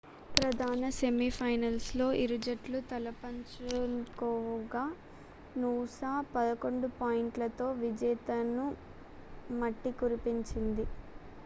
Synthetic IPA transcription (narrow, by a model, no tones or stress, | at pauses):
pɾɐd̪ʱaːnɐse̞mipʰɐjnɐlslo̞ːʔiɾud͡ʒɐʈlut̪ɐlɐpɐɲt͡ʃkɔːɡaː | nuːsaːpɐd̪ɐko̞ɳɖupaːjiɳʈlɐt̪o̞ːʋid͡ʒɛːt̪ɐnu | mɐʈːikuɾipiɲt͡ʃind̪i